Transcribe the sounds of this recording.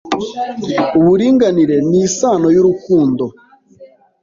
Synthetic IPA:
uβuɾiːŋɡaniɾe̞nisaːno̞juɾukuːndo

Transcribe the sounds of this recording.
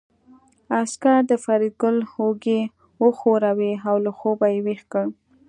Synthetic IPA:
askaɾd̪əfaɾiɡʊlhoɡe | wəxoɾaweawlaxobajewexkəɳ

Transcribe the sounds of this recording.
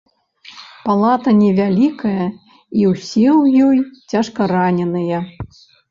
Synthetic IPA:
palˠat̪ɐnʲɛvʲalʲikɐjɐ | iwsʲiwjɔjt͡sʲaʂkɐɾanʲɛnɨjɐ

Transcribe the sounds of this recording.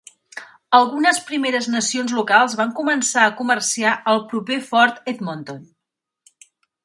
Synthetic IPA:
əlˠɣunəspɾimeɾəznəsionzlukalˠzβaŋkumənsaəkumərsiaʔəlˠpɾupefɔɾt̪ɛt̪mont̪on

